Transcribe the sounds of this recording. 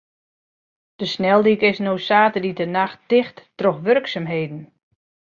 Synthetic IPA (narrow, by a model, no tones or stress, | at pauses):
d̥əsnɛlˠdikɪsnoːsaːtəditənaxt̚d̥ɪxtːrɔxʋørksamɦejdn̩